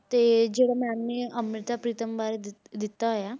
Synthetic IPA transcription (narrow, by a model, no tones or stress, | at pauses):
t̪ed͡ʑeɽamamːeəmɾit̪apɾit̪əmbaɾed̪ | d̪it̪aɦja